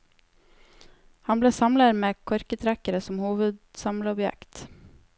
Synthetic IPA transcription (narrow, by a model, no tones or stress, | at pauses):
hɑnbleːsɑmləɾmeːkʰɔɾkət̪ʰɾækəɾəsɔmhuːʋəd̪sɑmləɔbjɛ̰kt̪